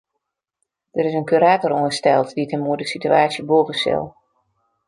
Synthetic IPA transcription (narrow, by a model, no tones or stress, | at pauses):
d̥əɾɪsənkyɾaːtɔroəstɛlˠtditʰənmuədəsityaːsjəboːvəsɪ̰lˠ